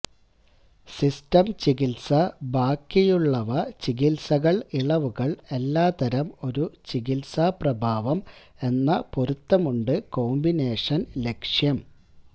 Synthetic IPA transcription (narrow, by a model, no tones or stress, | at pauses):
sistɐmt͡ɕiɣilsɐbʱaːkːijuɭːɐʋɐt͡ɕiɣilsɐɣɐɭiɭɐʋuɣɐɭe̞lːaːt̪ɐɾɐmo̞ɾut͡ɕiɣilsaprɐbʱaːʋɐm | e̞nːɐpoɾut̪ːɐmuɳɖɨko̞ːmbine̞ːʂɐnle̞kʂjɐm